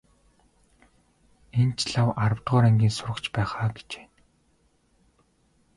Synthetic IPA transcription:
ent͡ɕɮawaɾə̆wt̪ʁʊːɾæŋɡʲiːnsʊɾə̆kt͡ɕpæːχaːɡe̥t͡ɕe̥ː

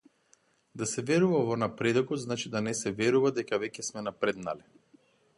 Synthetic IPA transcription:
d̪asɛvɛɾuvavɔnapɾɛd̪ɔkɔd̪znat͡ʃid̪anɛsɛvɛɾuvad̪ɛkavɛcɛsmɛnapɾɛd̪nalɛ

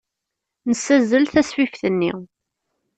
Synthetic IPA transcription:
nəsæzəlθæswifθənːḭ

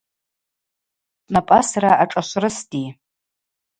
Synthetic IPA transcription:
napʼasraʔaʈ͡ʂʼaʃʷrɨstʼi

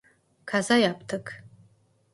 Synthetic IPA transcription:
kʰazajapʰʼtʰɨkʰʼ

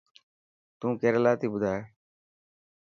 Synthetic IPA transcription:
t̪ũːkeːɾlaːt̪iːbʊd̪ʱaːeː

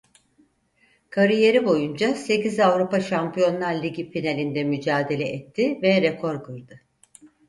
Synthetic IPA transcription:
kʰaɾije̞ɾibo̞jund͡ʒase̞cizavɾupaʃampijo̞nlˠaɾlʲiɟifinalʲind̪ɛmyd͡ʒaːd̪e̞lʲɛʔɛt̪ʰːɪvɛɾɛkʰo̞ɾkʰɯɾd̪ɯ

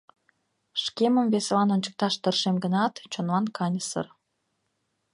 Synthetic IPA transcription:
ʃkeməmveselɑnonʲt͡ɕə̥k̚t̪ɑʃt̪ərʃemɡənɑt̪t͡ɕonlɑnkʰɑnʲəsə̰r

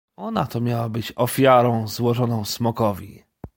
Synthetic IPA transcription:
ɔnat̪ɔmʲjawabɘt͡ɕɔfʲjaɾɔ̃w̃zwɔʐɔnɔ̃w̃smɔkɔvʲḭ

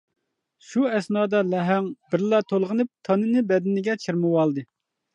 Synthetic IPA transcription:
ʃuɛsnɑːd̪ɑlɛɦɛŋbɪɾlˠɑt̪ʰolˠʁənɨp̚t̪ʰɑnɨnɨbɛd̪ɪnɪɡʲɛt͡ʃʰiɾmɨwɑlˠd̪ɨ

